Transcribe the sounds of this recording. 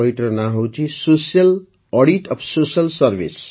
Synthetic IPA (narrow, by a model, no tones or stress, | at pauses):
ʌiʈɾʌnaɦowt͡sʰisosjʌl | ɔɽiʈʌpʰsosjʌlsʌrbḭs